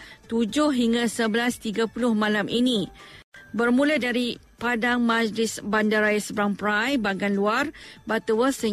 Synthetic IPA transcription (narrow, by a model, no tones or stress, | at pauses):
t̪ud͡ʒʊhɦiŋɡasəbəlast̪iɡapulʊhmãlamʔinĩ | bərmũlədaɾi | padaŋmad͡ʒlɪsbandaɾajasəbɾaŋpɾajbaɡanluarbat̪uwəsə